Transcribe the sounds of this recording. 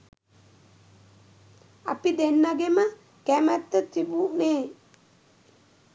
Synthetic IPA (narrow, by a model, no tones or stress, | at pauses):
a̰pid̪enːaɡemə | kæmæt̪ːət̪ibuneː